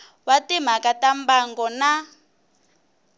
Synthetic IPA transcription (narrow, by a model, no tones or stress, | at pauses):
watim̤akatambaŋɡɔna